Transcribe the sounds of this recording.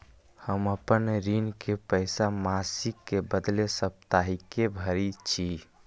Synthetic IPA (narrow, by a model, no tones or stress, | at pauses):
həməpənɾinkepəɪsamasikːebəd̪lesəp̚t̪aɦikebʱəɾit͡ʃʰi